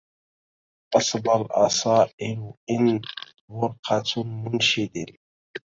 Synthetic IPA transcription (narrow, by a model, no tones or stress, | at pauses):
ʔɑsˤbɑlʔɑ̰sˤɑːʔɪlʔɪn | wʊɾqʰɑt̪ʰmʊnʃɪd̪ɪn